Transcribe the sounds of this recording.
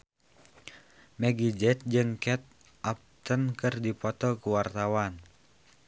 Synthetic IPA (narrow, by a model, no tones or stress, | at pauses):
mɛɡid͡ʒɛt̪̚d͡ʒɨŋkɛt̪̚ | ʔap̚t̪ənkɨrdipɔt̪ɔkuwart̪awan